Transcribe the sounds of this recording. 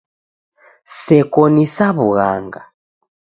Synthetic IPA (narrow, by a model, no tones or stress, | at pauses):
sɛkɔnisaβuɣaŋɡa